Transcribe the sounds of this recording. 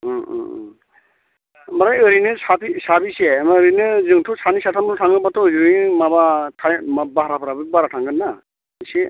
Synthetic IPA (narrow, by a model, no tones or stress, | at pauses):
maɾajɯɾinɯsapisabisemaɾinɯzɯŋtʰusanisatʰamnutʰaŋɡɯbatʰɔjɯmabatʰajmabaɦɾapʰaɾabɯbaɾatʰaŋɡɯnːa | se